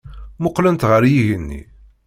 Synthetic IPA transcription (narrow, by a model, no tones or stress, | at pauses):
mʊqːlənt̪ʁəɾjiʝənːḭ